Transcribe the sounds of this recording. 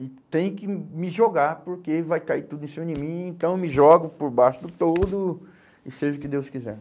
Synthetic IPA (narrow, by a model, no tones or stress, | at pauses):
ɪt̪ẽj̃ʊkɪmɪʒoɡaɾpoɾkevajkaiɾt̪ud̪ʊĩsẽɲoɾd͡ʒɪmĩẽnt̪ɐ̃w̃ewmɪʒɔɡʊpoɾbaʃʊd̪ʊt̪od̪ʊ | ɪseʒʊkɪd̪ewskizɛ̰ɾ